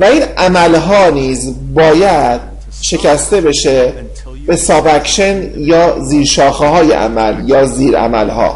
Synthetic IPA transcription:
væiːnæmælɦɒːniːzbɒːjæd̪̥̚ | ʃe̞cʰæst̪e̞be̞ʃe | b̥e̞sɒːbækʃenjɒːziːɾʃɒːxehɒːjḛʔæ̰mæ̰ljɒːziːɾæ̰mæ̰lhɒ̰ː

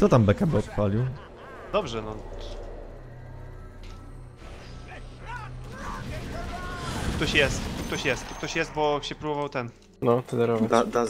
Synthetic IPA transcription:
kt̪ɔt̪ambɛkabɘɔt̪palʲiw | d̪ɔbʐɛnɔ | t̪uk̚t̪ɔɕjɛst̪t̪uk̚t̪ɔɕjɛst̪ukt̪ɔɕjɛst̪̚bɔɕɛpɾubɔvawt̪ɛn | nɔt̪ɛd̪ɛɾɔvad̪ad̪a

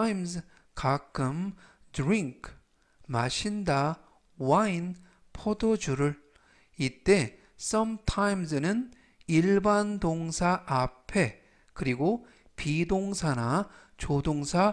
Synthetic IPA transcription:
jms | kak͈ɯm | dɾiŋkʰ | maɕʰinda | wain | pʰodod͡ʑuɾɯɭ | it͈e̞ | sʌmtʰajmsɯnɯn | iɭbandoŋsʰaʔːpʰe̞ | kɯɾiɡo | pidoŋsʰana | t͡ɕodoŋsʰa

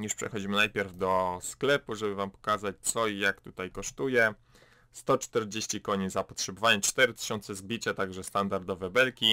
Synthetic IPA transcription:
juʂpʂɛ̰xɔd͡ʑimɘnajpʲjɛɾvd̪ɔsklɛpuʐɛbɘvampɔ̥kazat͡ɕt̪sɔjakt̪ut̪ajkɔʂt̪ujɛ | st̪ɔt͡ʂt̪ɛɾd͡ʑeɕt͡ɕikɔɲizapɔtʂɛbɔvaɲɛt͡ʂt̪ɛɾɘt̪ɘ̥ɕɔnt̪sɛzbʲit͡ɕat̪aɡʐɛst̪and̪aɾd̪ɔvɛbɛlkʲi

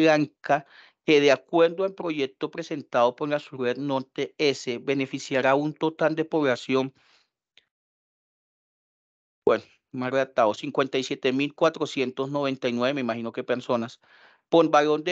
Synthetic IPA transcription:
aŋka | keðeakwe̞ɾd̪oelpɾo̞ʝe̞k̚t̪o̞pɾese̞nt̪aðopoɾlasuɾed̪noɾt̪eeseβe̞ne̞fisjaɾaunt̪o̞t̪ald̪epo̞βlasjo̞ŋ | bweno | marelat̪aðosiŋkwe̞nt̪ajsjet̪emilkwat̪ɾo̞sje̞nt̪o̞sno̞β̞e̞nt̪ajnweemeimaxino̞kepeɾso̞nas | poɾbaɣond̪e

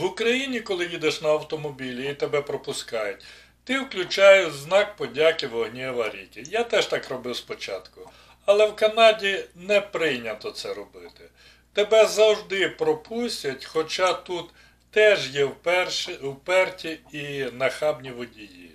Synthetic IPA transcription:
wʊkɾɐjinʲikɔlˠɪjid̪eʃnɐɐwt̪ɔmɔbʲilʲiːt̪ebɛpɾɔpʊskɑjʊtʲ | t̪ɪwklʲʊt͡ʃɑjʊznɑk̚pɔdʲakɪʋɔɦnʲɛʋɐɾʲḭkʲɪjat̪ɛʃt̪ɑkrɔbɪwspɔt͡ʃɑ̰t̪kʊ | ɐlˠɛwkɐnɑdʲinɛpɾɪjnʲɐt̪ɔt̪sɛɾɔbɪt̪ɪ | t̪ebɛzɐwʒd̪ɪpɾɔpʰusʲtʲɐtʲxɔt͡ʃɑt̪ut̪ː | ɛʒjɛwɛrwpɛrtʲiinɐxɑbnʲiʋɔdʲijḭ

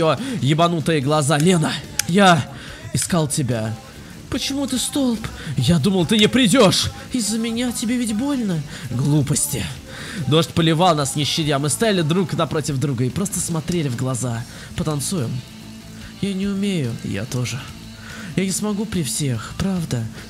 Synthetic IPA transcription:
ojɪbɐnut̪ɨjəɡlˠɐzalʲe̞nəja | ɪskalˠtʲɪbʲa | pət͡ɕɪmut̪ɨst̪o̞lˠp | jad̪uməlˠt̪ɨnʲɪpɾʲɪdʲo̞ʂ | ɪzːəmʲɪnʲatʲɪbʲevʲɪtʲbo̞lʲnəɡlˠupəsʲtʲɪ | d̪o̞ʂtʲpəlʲɪvalˠnasnʲɪɕːɪtʲamɨst̪ɐjalʲɪd̪ɾuknɐpɾo̞tʲɪvd̪ɾuɡəɪpɾo̞st̪əsmɐt̪ɾʲelʲɪvɡlˠɐza | pət̪ɐnt̪sujɪm | janʲɪʊmʲejʊja̰t̪o̞ʐɨ | janʲɪsmɐɡupɾʲɪfsʲe̞xpɾavd̪ə

